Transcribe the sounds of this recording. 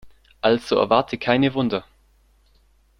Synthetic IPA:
ʔalz̥oɛ̰ɐvaɐtʰəkʰaɪnəvʊndɐ

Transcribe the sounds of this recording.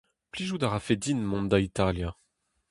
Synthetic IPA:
pliʒud̪aʁafed̪inmɔ̃nd̪ait̪alja

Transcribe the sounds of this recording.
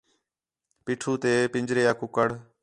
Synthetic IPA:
piːʈʰuːt̪eːpɪɲd͡ʒɾeːaːkʊkəɽ

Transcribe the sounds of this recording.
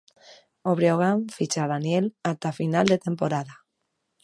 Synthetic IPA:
oβɾjoɣ̞aɱfit͡ʃaðanjelat̪afinald̪e̞t̪e̞mpo̞ɾaða

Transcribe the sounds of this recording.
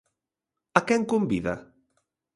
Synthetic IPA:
akɛŋkombiða

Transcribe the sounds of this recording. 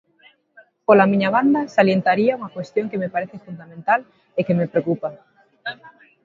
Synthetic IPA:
polamĩɲaβand̪ɐsaljent̪aɾiauŋakwest̪jõŋkemepaɾeθɪfund̪amẽnt̪al | ekemepɾeokupa

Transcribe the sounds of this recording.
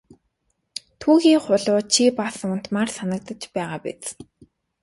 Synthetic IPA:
t̪ʰuːɣiːχʊɮʊːt͡ɕʰipasʊn̥t̪maːrsanə̆k̚t̪ə̆t͡ɕpæːʁaːpḛt͡s

